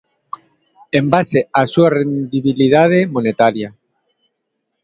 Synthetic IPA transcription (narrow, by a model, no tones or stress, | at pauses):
embaseasuarend̪iβiliðað̞emonet̪aɾja